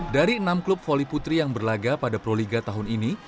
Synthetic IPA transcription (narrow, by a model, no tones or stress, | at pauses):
p̚daɾiənamklʊp̚foliput̪ɾijaŋbərlaɡapadapɾoliɡat̪aɦʊnini